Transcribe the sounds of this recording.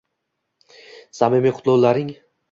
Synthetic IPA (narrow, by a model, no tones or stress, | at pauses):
samimiqʰʊ̥t̪lˠɒwlaɾɪŋ